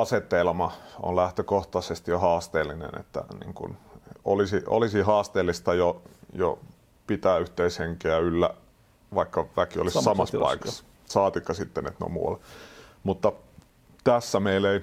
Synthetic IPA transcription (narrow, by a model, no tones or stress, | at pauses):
ɑset̪elmɑo̰llæht̪økoht̪ɑsest̪johɑːst̪eːlːˑinḛnḛt̪ːæ̰nḭːŋkṵnolisiʔo̰lisihɑːst̪eːlːˑist̪ɑjojo̰ | pit̪æːyht̪eisheŋkeæylːæ̰ | ʋɑikːɑʋækio̰lissɑmɑspɑ̰ikɑ̥s | sɑːt̪ikːɑsit̪ːenḛt̪no̰mṵɑ̰lmut̪ːɑ | t̪æsːæmeilei